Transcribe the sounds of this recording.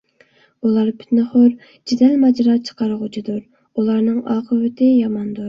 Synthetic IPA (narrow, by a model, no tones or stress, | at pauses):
ulˠɑɾpʰy̥t̪nɨχʊɾ | d͡ʒid̪ɛlmɑd͡ʒɾɑt͡ʃʰə̥qʰɑɾʁʊt͡ʃʰid̪ʊɾ | ulˠɑɾnɨŋɑːqʰəvɪt̪ʰɪjɑmɑnd̪uɾ